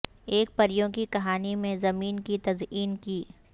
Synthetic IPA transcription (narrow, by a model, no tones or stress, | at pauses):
eːk̚pɐɾjõkikɐɦaːnimẽzɐmiːnkit̪ɐziːnkiː